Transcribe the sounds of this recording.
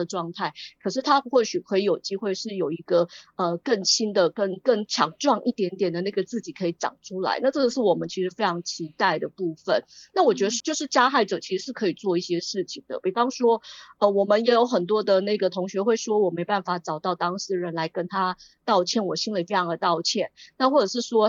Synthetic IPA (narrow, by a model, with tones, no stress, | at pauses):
ə˩ʈ͡ʂwɑ˥˧ŋt̪ʰa˥˩ɪkʰɤ˨˩ʂɻ̩˥˩t̪ʰa˥xwɔ˥˩ɕy˨˩kʰɤ˧˥i˧˥jo˨˩ʊt͡ɕi˥xwe˥˧ɪʂɻ̩˥˩jo˨˩ʊi˧˥ɡə˧ə˧kə˥˩ŋɕi˥nd̪ə˨kə˥˧nkə˥˩ŋt͡ɕʰjɑ˧˥ŋʈ͡ʂwɑ˥˧ŋʔḭ˥˩t̪jɛ˧˥nt̪jɛ˨˩nd̪ə˩˦na˥˩ɡə˩t͡sɹ̩˥˩t͡ɕi˨˩kʰɤ˧˥i˧˩ʈ͡ʂɑ̰˨˩ŋʈ͡ʂʰu˥la̰˧˥ɪna˥˧ʈ͡ʂɤ˥˧ə˧ʂɻ̩˥˩wɔ˨˩mə˦nt͡ɕʰi˧˥ʂɻ̩˧˥fe˥ɪʈ͡ʂʰɑ˧˥ŋt͡ɕʰi˧˥t̪a˥˩ɪd̪ə˩pu˥˩fə˨˦nna˥˩wɔ˨˩t͡ɕɥɛ˧˥d̪ə˧t͡ɕjo˥˧ʊʂɻ̩˥˩t͡ɕja˥xa˥˩ɪʈ͡ʂɤ˨˩t͡ɕʰi˧˥ʂɻ̩˧ʂɻ̩˥˩kʰɤ˧˥i˨˩t͡swɔ˥˧i˥˩ɕjɛ˥ʂɻ̩˥˩t͡ɕʰi˨˩ŋd̪ə̰˨pi˨˩fɑ˦˥ŋʂwɔ˥ə˧wɔ˨˩mə˦njɛ˧˥jo˧˥ʊxə˨˩nt̪̬wɔ˥d̪ə˨na˥˩ɪɡə˩t̪ʰo˧˥ŋɕɥɛ˧˥xwe˥˩ɪʂwɔ˥wɔ˨˩me˧˥ɪpa˥˩nfa˨˩ʈ͡ʂɑ˨˩ʊt̪ɑ˥˩ʊt̪ɑ˥ŋʂɻ̩˥ɻə˧˦nla˧˥ɪkə˥nt̪ʰa˥ | t̪ɑ˥˧ʊt͡ɕʰjɛ˥˩nwɔ˨˩ɕi˥nlə˨fe˥ɪʈ͡ʂʰɑ˧˥ŋd̪ə˩t̪ɑ˥˧ʊt͡ɕʰjɛ˥˩˨nna˥˧xwɔ˥˩ʈ͡ʂɤ˨˩ʂɻ̩˥˩ʂwɔ˥